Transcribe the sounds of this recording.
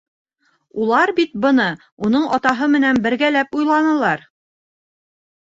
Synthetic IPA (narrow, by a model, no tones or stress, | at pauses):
ulˠɑɾbit̪̚bɤ̆nɤ | unɤɴɒt̪ɑɦɤmɘ̆nænbɘ̆ɾɡælæpujlˠɑnɤ̆lˠɑɾ